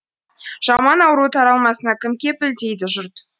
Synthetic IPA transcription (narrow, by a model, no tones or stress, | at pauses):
ʒ̥ɑmɑnɑwɾuət̪ʰɑɾɑlˠmɑsənɑkʲʰɪmkʲe̞pɪlt̪ejd̪ɪʒʊɾt̪